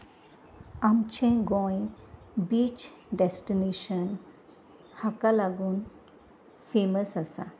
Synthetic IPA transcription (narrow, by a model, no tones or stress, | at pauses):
amt͡ɕẽɡɔ̃jẽbiːt͡ɕ | ɖesʈineʃən | hakalaɡuːn | feməsasa̰